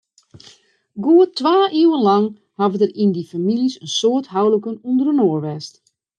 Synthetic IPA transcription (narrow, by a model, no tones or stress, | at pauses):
ɡoətʋaːʔiwənlɑŋ | havədərindifamilisənsoəthawləkənundərənoərʋɛst